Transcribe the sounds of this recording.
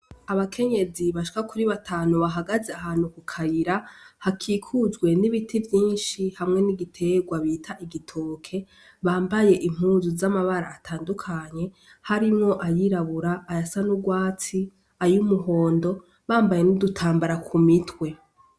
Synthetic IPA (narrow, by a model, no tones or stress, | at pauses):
aβakʰe̞ɲe̞ziβaʃi̥kakuɾiβatʰaːnuβaɦaɡazeaɦaːn̥ukukʰajiɾahakʰiːkʰuzɡwe̞niβitʰivjiːnʃihamŋe̞niɡitʰe̞ɡwaβiːtʰaʔiɡitʰoːkʰe̞ | βaːmbaje̞ʔim̥uːzuzamaβaɾaːtʰaːndukʰaɲe̞ | haɾimŋo̞ʔajiɾaβuɾaːjasanuɡwaːt͡si | ajumuɦo̞ːndo̞ | βaːmbaje̞nudutʰaːmbaɾakʰumitʰwe̞